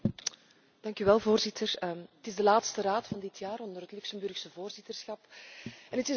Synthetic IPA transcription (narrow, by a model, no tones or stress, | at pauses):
d̥ɑŋkyʋɛlˠvoːrzɪtʰərətɪzdəlaːtstəɾaːtfɑndɪtʰjaːɾɔndərɦətlyksəmbɵrxsəvoːrzɪtərsxɑpɛnətɪ